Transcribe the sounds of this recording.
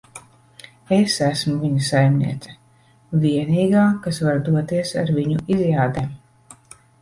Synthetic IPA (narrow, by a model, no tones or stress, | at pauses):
esæsmuvʲiɲusajmnḭɛt̪sɛ̥ | vʲiɛniːɡaːkasvaɾd̪uɔt̪iɛsa̰ɾviɲuizjaːd̪em